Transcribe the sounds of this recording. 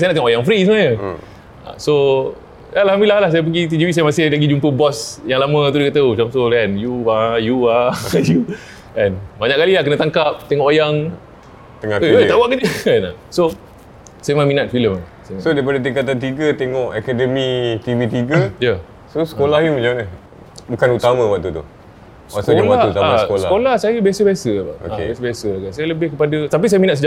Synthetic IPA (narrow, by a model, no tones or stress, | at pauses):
sajnaʔt̪eŋɔʔojaŋfɾisəŋaɲə | a̰so | alahambilahlahsajəp̬əɡit̪̬id͡ʒiwisajəmasɪhlaɡid͡ʒumpəbɔsjaŋlamə̃t̪udekat̪aut͡ʃamt̪olɛnjuajuaju | ɛnbaɲaʔkalilahkənat̪aŋkap̚t̪eŋɔʔojaŋ | t̪əŋaəət̪awaʔkad͡ʒəɛna̰so | sajəmaminat̪̚filəma | samsodaipadat̪ikat̪̬ant̪̬iɡət̪eŋɔʔakɛdəmit̪ivit̪̬iɡəja | sosə̥kolahjumad͡ʒamaa | bukanut̪amãwaʔt̪ut̪ṵ | sasad͡ʒalwaat̪ut̪amaaəkoləla̰kolahsajəbiasəbiasəaba̰ʔo̰akːḛbjasəbiasəakansajaləbɪhkəpadat̪ap̬is̬ajaminat̪səd͡ʒa